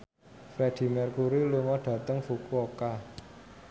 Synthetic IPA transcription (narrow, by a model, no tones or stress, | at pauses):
fɾɛd̥i̤mɛrkuɾiluŋɔɖ̥ä̤t̪əŋfukuoka